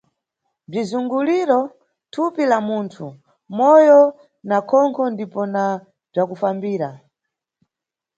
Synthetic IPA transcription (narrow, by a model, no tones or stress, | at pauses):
b͡ʐizuŋɡuliɾɔ | tʰupilamuːntʰu | mɔjɔ | nakʰɔŋkʰɔndipɔna | b͡ʐakufambiːɾa